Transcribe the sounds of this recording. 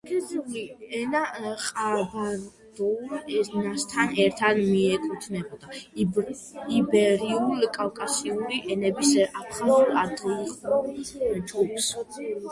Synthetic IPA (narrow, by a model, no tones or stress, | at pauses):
ɡɛd̪uliɛnaqʼabaɾ | d̪̥ɔulɛnast̪ʰanɛɾt̪ʰanmiɛkʼut̪ʰnɛbɔd̪a | ibɛɾiulkʼawkʼasiuɾiʔɛnɛbisapʰaɔɾad̪ɛiqʼɔt͡ʃʰupʰs